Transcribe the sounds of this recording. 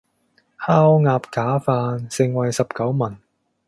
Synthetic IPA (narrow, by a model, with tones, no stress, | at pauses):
haː˥wŋaː˧p̚kaː˨˥faː˧nsɪ˨˧ŋwɐ˨jsɐ˨p̚kɐ˨˥wmɐ˨˩n